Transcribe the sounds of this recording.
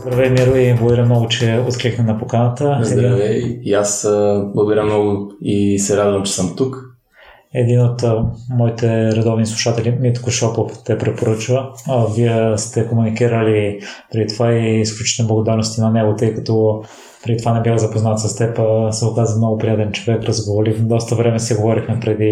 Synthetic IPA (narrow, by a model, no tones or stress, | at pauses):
zd̪ɾɐvɛmiɾuiblˠoɡoɾʲəmnɔɡʊt͡ʃɛot̪kɾixnɛnɐpokanət̪əzɛd̪ɐvɛasblˠɐɡiɾamnɔɡʊisɛɾad̪vɐmt͡ʃɛ̥səmt̪uk | ɛd̪inot̪mɔit̪ɛɾɛd̪ɔvnislˠuʃat̪ɛlimit̪koʃɔpoft̪ɛpɾɛt̪̚poɾɤt͡ʃvəviɛst̪ɛkomunikiɾəlipɾɛd̪it̪ovaiːsklʲut͡ʃi̥t̪ɛnɛblˠɐɡod̪aɾnost̪inɐnɛɡot̪ɤjkɐt̪ɔ | pɾɛd̪it̪ovanɛbʲjaxzɐpoznat̪sɐst̪ɛpəsəokazənmnɔɡʊpɾijat̪ɛnt͡ʃovɛkɾɐzɡovolifd̪ɔst̪əvɾɛmɛsiɡovɔɾixmɛpɾɛd̪i